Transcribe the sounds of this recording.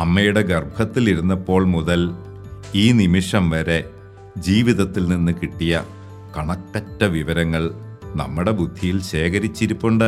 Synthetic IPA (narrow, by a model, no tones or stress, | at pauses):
ɐmːɐjuɽe̞ɡɐrbʱɐt̪ːiliɾunːɐpːo̞ːɭmuðɐl | iːnimiʂɐmʋɐɾe̞ | d͡ʑiːʋiðɐt̪ːilninːɨkiʈːijɐ | kɐɳɐkːɐtːɐʋiʋɐɾɐŋːɐɭnɐ̰mːuɽe̞bud̪ʱːijilɕe̞ːkɐɾit͡ɕːiɾupːoɳɖɨ